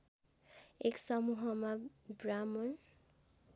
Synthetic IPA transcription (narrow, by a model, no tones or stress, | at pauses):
eksɔmuɦɔmabɹamɔn